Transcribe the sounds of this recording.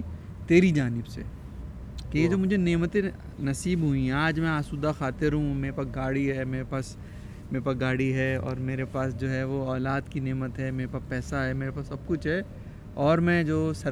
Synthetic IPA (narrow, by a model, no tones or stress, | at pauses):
t̪eːɾid͡ʒaːnɪbsḛ | keed͡ʒoːmʊd͡ʒʱeneːmət̪ẽ | nɐsiːbɦuĩaːd͡ʒmɛ̃aːsuːd̪axaːt̪ɪɾɦũmeːɾepɐɡaːɽiɦɛmeːɾepaːs | meːɾepɐɡaːɽiɦɛːɔ̰ːɾmeːɾepaːsd͡ʒoːɦɛʋoɔːlaːd̪kineːmət̪ɦɛmeːɾepapɛːsaɦɛmeːɾepaːsːɐb̚kʊt͡ʃʰɦɛː | ɔːɾmɛ̃d͡ʒoːsɐ